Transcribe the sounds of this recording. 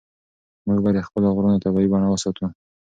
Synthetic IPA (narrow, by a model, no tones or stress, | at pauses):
muɡbɑd̪əxpəlaɣɾunat̪abɑibɑɳawəsɑt̪u